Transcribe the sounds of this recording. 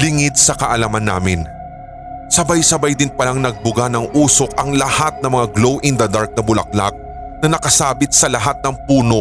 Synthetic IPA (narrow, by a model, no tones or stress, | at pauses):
lɪŋɪd̪̚sɐkɐʔɐlamɐnːa̰ːmɪn | sɐbajsɐbajd̪ɪnpɐlaŋnɐɡ̚bʊɡanɐŋʔuːso̞kɐŋlɐhat̪̚nɐŋmɐŋaɡlowʔɪnd̪ɐd̪aɹk̚nɐbʊlɐ̰k̚la̰k̚ | nɐnɐkɐsaːbɪt̪̚sɐlɐɦat̪̚nɐŋpuːno̞